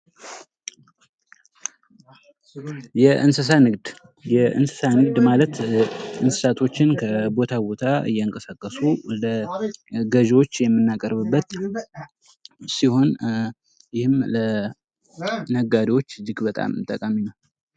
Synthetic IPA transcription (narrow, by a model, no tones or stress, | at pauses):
jɛʔɨnsɨsanɨɡd̪ | jɛʔɨ̰nsɨ̥sanɨɡd̪malət̪ɨnsɨ̥sat̪ʰo̞t͡ʃːɪnkʰəbot̪ʰabo̞t̪ʰaɨ̰jːɛɨŋkʼəsakʼːəsulə | ɡəʒwot͡ʃːjɛmːɨnːakʼəɾbɨbːət̪ | siho̞n | jɪhɨmlə | nəɡaɾiwo̞t͡ʃːzɨɡbət̪ʼa̰mt̪ʼəkʼaminəw